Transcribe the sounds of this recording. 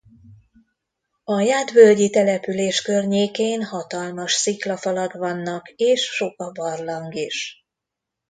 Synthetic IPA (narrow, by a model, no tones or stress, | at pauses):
ɒjaːd̪bø̞lɟit̪ɛlɛpyleːʃkørɲeːkeːnhɒt̪ɒlmɒʃsiklɒfɒlɒɡvɒnːɒkeːʃʃo̞kɒbɒrlɒŋɡiʃ